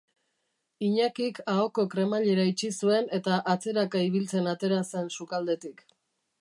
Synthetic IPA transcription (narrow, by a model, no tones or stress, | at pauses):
iɲakikao̞ko̞kɾe̞maʎe̞ɾait͡ʃisue̞ne̞t̪aʔat͡se̞ɾakaiβ̞ilt͡se̞nat̪e̞ɾase̞nsukald̪e̞t̪ik